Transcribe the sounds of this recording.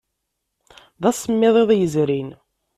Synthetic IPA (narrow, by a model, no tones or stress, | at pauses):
ðæsːəmːɪðˤeðˤjəzɾin